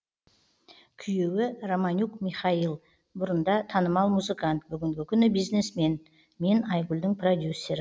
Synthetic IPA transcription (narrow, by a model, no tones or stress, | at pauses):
kʲʰʏje̞wɪromanʲukmijχɑilˠ | bʊɾənd̪ɑt̪ʰɑnəmɑlˠmuzɨkant̪̚bʏɡʲɪŋɡʲɪkʲʰʏnɪbijzne̞sme̞n | me̞nɑjɡulʲd̪ɪŋpʰro̞d̪ʲjusːe̞ɾɪ